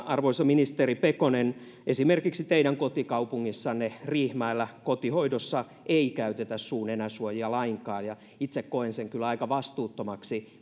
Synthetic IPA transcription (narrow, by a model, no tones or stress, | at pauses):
ɑrʋoisɑminist̪eripekonen | ʔesimerkiksit̪eiɾæŋkot̪ikɑupuŋːisːɑnːeriːhmɑilːækot̪ihoidosːɑ | ʔeikæyt̪et̪æssuːnenæsuojiɑlɑiŋkɑːjɑ | it̪sekkoenseŋkylɑikɑʋɑst̪uːt̪ːomɑksi